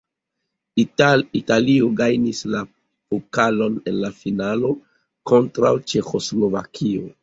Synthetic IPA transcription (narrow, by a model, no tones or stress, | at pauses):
italioɡajnisla | pokalo̞ne̞nlafinalo̞ | ko̞ntɾawt͡ʃe̞xo̞slo̞vakʰio̞̰